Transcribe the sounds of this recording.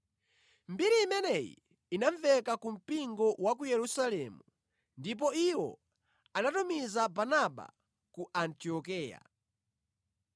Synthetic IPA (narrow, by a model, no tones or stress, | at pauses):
mbiɾiːmɛnɛjḭ | inaɱvɛkakum̩piŋɡɔwak̬ujɛɾusalɛmu | ndip̬ɔiwɔ̰ | anatumizabanaɓa̰ | kuʔantiɔkɛːja̰